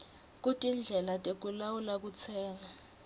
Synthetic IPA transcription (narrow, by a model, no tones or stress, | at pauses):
k̬ʼutʼind͡ɮʱɛlatʼek̬ʼulawulak̬ut͡sʰɛːŋa